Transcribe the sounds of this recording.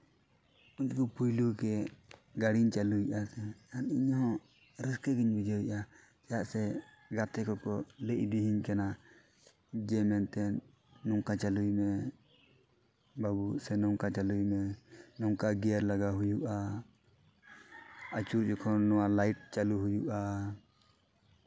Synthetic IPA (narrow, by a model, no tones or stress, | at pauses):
uɲt͡ʃkupʰujlukɛɡaɽiɲt͡ʃaluiʔasɛaniɲɦɔ̃ | ɾiskəɡiɲbid͡ʒawiʔa | t͡ʃajaʔsɛ | ɡat̪ɛkɔkɔlɛʔd̪iɦiɲkana | d͡ʒɛmɛnt̪ɛ | nɔŋkat͡ʃalujmɛ | babuʔsɛnɔŋkat͡ʃalujmɛnɔŋkaɡɛjaɾlaɡaɦujuʔa | at͡ʃuɾd͡ʒɔkʰɔnɔwalajʈ̚t͡ʃaluɦujuʔa